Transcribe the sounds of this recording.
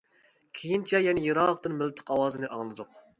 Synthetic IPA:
kʲʰejint͡ʃʰɛjɛnɪjiɾɑqt̪ɨnmɪlt̪ʰɨ̥qɑwɑːzɨnɨʔɑŋlˠɨd̪ʊq

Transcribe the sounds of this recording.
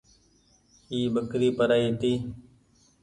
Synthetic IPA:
hiːɓəkɾiːpəɾaːiːt̪iː

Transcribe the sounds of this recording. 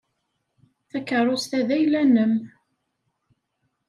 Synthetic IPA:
θækərˤːost̪æðæjlænəm

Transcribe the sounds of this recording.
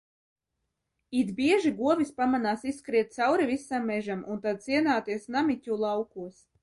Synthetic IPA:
id̪bʲiɛʒiɡuɔvispamanaːsiskɾiɛt̪̚t̪sawɾivisːamːɛʒamunt̪ad̪̚siɛnaːt̪iɛsnamitʲulˠawkuɔs

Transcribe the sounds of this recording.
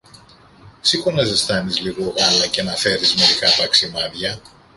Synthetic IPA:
sikonɐzesθɐnizliɣoɣɐlɐcenɐfe̞ɾizme̞ɾikɐt̪ɐksimɐðʝɐ

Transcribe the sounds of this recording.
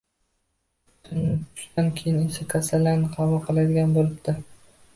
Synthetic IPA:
ʊnɪt̪ʰʊ̥ʃt̪ankʲʰejɪnesakʰasalːaɾnɪqʰɑvʊlˠqʰɨlˠad̪ɪɡʲanbolˠɪbd̪ɪ

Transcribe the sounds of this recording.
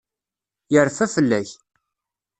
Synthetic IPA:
jəɾfæfəlːæç

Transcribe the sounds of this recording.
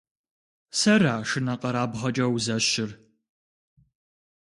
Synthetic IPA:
sɐraːʂɨnɐqɐɾaːbʁɐt͡ʃʼɐwzɐɕɪr

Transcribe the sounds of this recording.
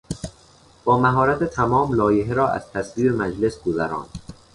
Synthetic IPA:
b̥ɒːmæɦɒːɾæt̪ʰet̪ʰæmɒːmlɒːjeɦeɾɒːʔæ̰z̥t̪ʰæsviːɾemæd͡ʒle̞sɡozæɾɒ̰ːnd̪̥

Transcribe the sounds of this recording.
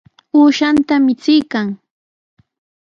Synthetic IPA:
uːʃant̪amɪt͡sɪjkaŋ

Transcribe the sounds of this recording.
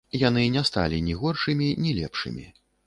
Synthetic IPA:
janɨnʲɛst̪a̰lʲinʲiɣɔrʂɨmʲinʲilʲɛ̰pʂɨ̰mʲḭ

